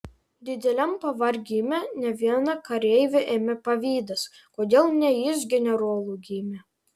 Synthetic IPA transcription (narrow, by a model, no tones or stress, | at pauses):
d̪ʲɪd̪ʲɛlʲɛmpɐʋɐɾʲɡʲiːmʲɛnʲɛʋʲiɛnɐkɐɾʲɛɪʋʲeʔeːmʲɛpɐʋʲiːd̪ɐs | koːd̪ʲeːlˠnʲɛjɪs̬ɡʲɛnʲɛɾoɔlˠuːɡʲiːmʲɛ